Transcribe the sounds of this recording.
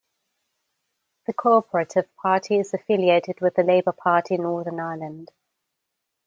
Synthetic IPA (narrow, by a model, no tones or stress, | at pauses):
ðəkʰɔɔpʰəɹətʰɪv̥pʰɑˑtʰiɪzəfɪlieɪtʰɪdwɪðəleɪbəpʰɑˑtʰinɔːðənaɪlə̃nd̥